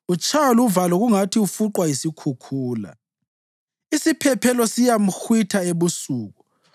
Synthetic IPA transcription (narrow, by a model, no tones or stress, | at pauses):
ut͡ʃʰʼaluvalɔɣuŋatʰiufuǃwajisikʰukʰuːla̰ | isipʰɛpʰɛlɔsijam̩xwitʰaeβusuːɣu